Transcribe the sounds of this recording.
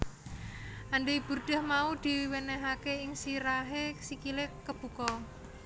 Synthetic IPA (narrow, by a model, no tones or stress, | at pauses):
ʔaɳɖeib̥ṳrɖ̪̥a̤hmaud̪̥i̤wenɛɦakeɪŋsiɾaɦesikilekəb̥ṳkɔ